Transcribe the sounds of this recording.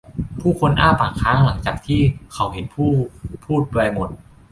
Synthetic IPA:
pʰuː˥˩kʰo˧nʔa̰ː˥˩paː˨˩ŋkʰaː˦˥ŋla˩˦ŋt͡ɕaː˨˩k̚t̪ʰiː˥˩kʰa˩˦wɦe˨˩˦npʰuː˥˩pʰuː˥˩t̪̚pa˧jmo˨˩t̪̚

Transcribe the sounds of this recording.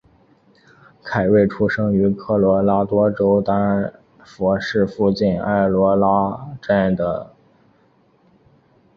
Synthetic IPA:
kʰa˨˩ɪwe˥˩ɪʈ͡ʂʰu˥ʂɤ˥ŋy˧˥kʰɤ˥˩lwɔ˧˥la˥t̪wɔ˥ʈ͡ʂo˥ʊt̪ɑ˥ŋ˧ | fwɔ˧˥ʂɻ̩˥˧fu˥˧t͡ɕi˥˩na̰˥˩lwɔ˧˥la˥ʈ͡ʂa˥˩nd̪ə̰˩

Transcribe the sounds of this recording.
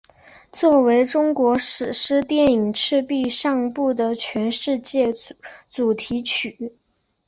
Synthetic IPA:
t͡swɔ˥˩we˧˥ɪʈ͡ʂʊ˥ŋkwɔ˧˥ʂɻ̩˨˩ʂɻ̩˥t̪jɛ˥˩ni˨˩ŋʈ͡ʂʰɻ̩˥˧pi˥˧ʂɑ˥˧ŋpu˥˩d̪ə˩t͡ɕʰɥɛ˧˥nʂɻ̩˥˧t͡ɕjɛ˥˩t͡su˨˩t̪ʰi˧˥t͡ɕʰy˨˩˦

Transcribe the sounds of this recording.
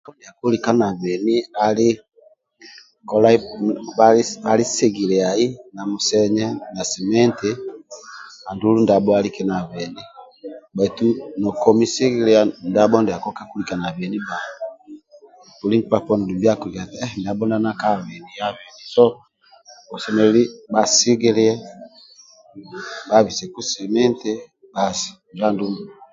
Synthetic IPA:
kɔ˦ndɛ˨a˨ku˦lika˦na˨βɛ˨ni˦a˨li˦ | kɔla˦βaa˨li˦se˦ɣi˨le˨a˨i˦na˨mu˨sɛ˦ɲɛ˦na˨sɛ˨mɛ˦nte | a˨ndu˦lu˦nda˨bɔalikɛ˦na˨βɛ˨ni˦ | ba˨itunɔ˨kɔ˦mi˦se˦ɣi˦lɛanda˦bɔ˦ndɛ˨a˨kɔ˦ka˦ku˦li˨ka˨na˨βɛ˨ni˦ba˨ | pu˨li˦ntipa˨pɔ˦ni˨du˨mbi˦a˦ku˨βia˨tiɛ˦nda˨bɔ˦na˦na˦ka˦βɛ˨ni˨ja˦βɛ˨ni˨sɔ˦ | ɔ˨sɛ˨nɛ˨˦li˦ba˨si˦ɡi˦li˦ɛ˦ | ba˦βi˨sɛ˨ku˦sɛ˨mɛ˦ntɛ˦ | ba˨si̥˨ | d͡ʒa˦ndu˦mu

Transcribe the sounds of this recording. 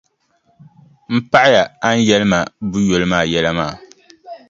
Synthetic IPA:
m̩˦pa˦ʔa˦ja˨a˦n̩˦jɛ˦lɨ˦ma˨bu˦jo˨lɨ˦maː˦˨jɛ˦la˦maː˦˨

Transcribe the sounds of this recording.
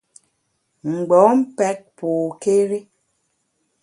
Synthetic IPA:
ŋ͡m̩˨ɡ͡bɔ˨˦m̩˦pɛ˦k̚poː˨ke˦ɾi˦

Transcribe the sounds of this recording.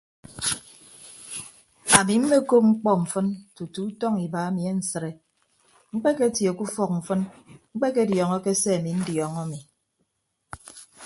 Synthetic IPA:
a˨mi˨m̩˦me˦ko˦p̚ŋ͡m̩˦k͡pɔ˦m̩˨fɨ˦ntu˨tu˨˦tɔ˦ŋi˨ba˨a˦mi˨e˦n̩˨sɨ˨ɾe˨ | ŋ͡m̩˦k͡pe˦ke˦tje˨ku˦fɔ˦k̚m̩˨fɨ˦nŋ͡m̩˦k͡pe˦ke˦djɔ˨ŋɔ˦ke˦se˦a˨mi˨n̩˦djɔ˨ŋɔ˦mi˨

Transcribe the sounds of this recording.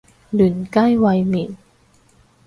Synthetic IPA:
lɯ˨˩˦nka˥˩jwa˧jmi˨˩n

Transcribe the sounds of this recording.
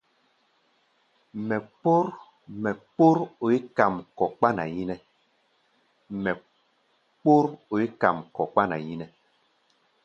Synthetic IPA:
mɛ˨k͡po˦ɾ | mɛ˨k͡po˦ɾo˨i˦ka˨mkɔ˨k͡pa˦na̰˨ji˦nɛ˦ | mɛ˨ | k͡po˦ɾo˨i˦ka̰˨mkɔ˨k͡pa˦na˨ji˦nɛ˦

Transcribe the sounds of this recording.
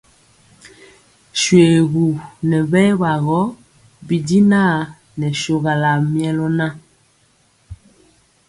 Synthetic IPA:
ʃwe˨ɣu˨nɛ˨βɛ˦βa˨ɣɔ˦ | bi˨di˦na˦˨ | nɛ˨ʃo˨ɣa˨la˨mjɛ˦lɔ˦na˦

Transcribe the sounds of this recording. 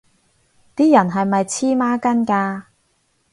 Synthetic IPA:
t̪iː˥jɐ˨˩nɦɐ˨jmɐ˨jt͡sʰiː˥maː˥kɐ˥nkaː˧

